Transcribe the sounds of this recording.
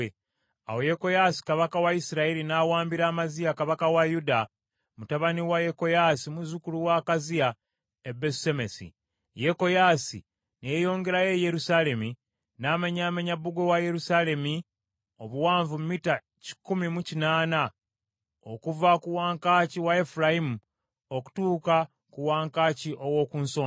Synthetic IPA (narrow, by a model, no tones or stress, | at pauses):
e | a̰wo̞jeko̞jasi̥kaβakawaisiɾailinawaːmbiɾaːmazijakaβakawajuda | mutaβaniwaje̞ko̞jasimuzukuluwakazia | ebesemesḭ | je̞ko̞jasḭ | nejo̞ːŋɡe̞ɾaje̞je̞ɾusale̞mi | naːmaɲaːmeɲabːuɡo̞waje̞ɾusale̞mi | o̞βuwaːɱvumumita | ci̥kːumimucinaːna | o̞kuvakuwaːŋkaːciwae̞fuɾajimu | oku̥tuːka | kuwaːŋkaːciʔo̞wo̞kuːnsoː